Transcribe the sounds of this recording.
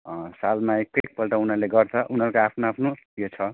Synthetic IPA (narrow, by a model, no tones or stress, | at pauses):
ʌsalmaek̚ʈek̚pʌlʈaunʌrleɡʌrt͡sʰʌʔunɦʌɾkoapʰnoapʰnojot͡sʰʌ